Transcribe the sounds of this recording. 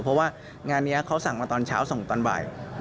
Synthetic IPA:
pʰɔ˦˥waː˥˩ | ŋaː˧nːi˦˥ɐkʰa˦˥wsa˨˩ŋmaː˧t̪ɔː˧nt͡ɕʰaː˦˥wso˨˩ŋt̪ɔː˧nba̰ː˨˩j

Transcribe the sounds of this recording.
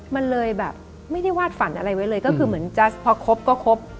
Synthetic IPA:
ma˧nlɤː˧jbɛː˨˩p̚ | ma˥˩jda˥˩jwaː˥˩t̪̚fa˨˩˦nʔa˧ɾa˧jwa˦˥jlɤː˧jkɔ˥˩kʰɯː˧mɯ˩˦ənt͡ɕa˦˥spʰɔː˧kʰo˦˥p̚kɔː˥˩kʰo˦˥p̚

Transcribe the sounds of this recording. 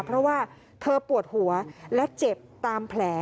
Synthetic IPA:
pʰɾɔ˦˥waː˥˩ | t̪ʰɤː˧pu˨˩ət̪̚hu˩˦ɐlɛ˦˥t͡ɕe˨˩p̚t̪aː˧mpʰlɛː˩˦

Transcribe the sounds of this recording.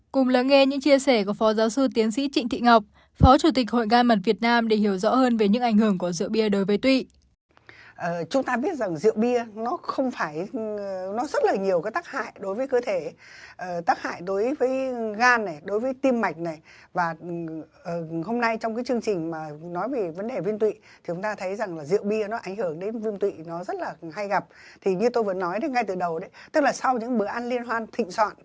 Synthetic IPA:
kʊ˨˩ŋ͡mləː˨˦nŋe˧ɲɨ̰˧˥ŋt͡ɕi˧əsɛ˧˩ku˧˩əfɔ˨˦zaː˨˦wsɨ˧t̪i˨˦ənsḭ˧˥t͡ɕḭ˧˨ŋ̟t̪ʰḭ˧˨ŋa˨˩wk͡p̚ | fɔ˨˦t͡ɕu˧˩t̪ï˨˩k̟̚ho̰˧˨jɣaː˧nmə˨˩t̚vi˨˩ət̚naː˧mɗe˧˩hi˧˩əwzɔ̰˧˥həː˧nve˨˩ɲɨ̰˧˥ŋʔa˧˩ŋ̟ɦɨ˧˩əŋku˧˩əzɨ̰˧˨əwɓi˧əɗo˨˦jvəː˨˦jt̪wḭ˧˨ | ʔəː˨˩t͡ɕʊ˨˦ŋ͡mt̪aː˧ɓi˦˥ət̚za˨˩ŋzɨ̰˧˨əwɓi˧ənɔ˨˦xə˧wŋ͡mfaː˧˩j | nɔ˨˦zə˦˥t̚laː˨˩ɲi˨˩əwkaː˨˦jt̪aː˦˥k̚ha̰ː˧˨jɗo˨˦jvəː˨˦jkəː˧t̪ʰe˧˩ʔəː˨˩t̪aː˦˥k̚ha̰ː˧˨jɗo˨˦jvəː˨˦jɣaː˧nːa˨˩jɗo˨˦jvəː˨˦jt̪i˧mːa˨˩jk̟̚na˨˩j | vaː˨˩ʔəː˧˩ɦo˧mna˧jt͡ɕɔ˧wŋ͡mk̬aː˨˦jt͡ɕɨ˧əŋt͡ɕï˨˩ŋ̟maː˨˩nɔ˨˦jve˨˩və˨˦nɗe˨˩vi˧ənt̪wḭ˧˨t̪ʰi˨˩ʊ˨˦ŋ͡mt̪aː˧t̪ʰə˨˦jza˨˩ŋlaː˨˩zḭ˧˨əwɓi˧ənɔ˨˦ʔa˧˩ŋhɨ˧˩əŋɗe˨˦nvi˧ənt̪wḭ˧˨nɔ˨˦zə˦˥t̚laː˨˩ɦa˧jɣa˨˩p̚t̪ʰi˨˩ɲɨ˧t̪o˧jvə̰˧˥˦nːɔ˨˦jɗe˨˦ŋa˧jt̪ɨː˨˩ɗə˨˩wɗə˨˦jt̪ɨ˦˥k̚laː˨˩sa˧wɲɨ̰˧˥ŋɓɨ˧˩əʔa˧nli˧ənɦwaː˧nt̪ʰḭ˧˨ŋ̟swa̰ː˧˨n

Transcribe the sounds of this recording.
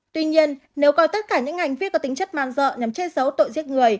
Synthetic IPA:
t̪wi˧ɲi˧ənːe˨˦wkɔ˧˩jt̪ə˦˥t̚kaː˧˩ɲɨ̰˧˥ŋha˨˩jŋvi˦˥ət̚kɔ˧˦t̪i˨˦ŋt͡ɕə˦˥t̚maː˧˨nzə̰ː˧˨ɲa˨˦mt͡ɕe˦˥sə˨˦wt̪o̰˧˨jzi˦˥ət̚ŋɨ˨˩əj

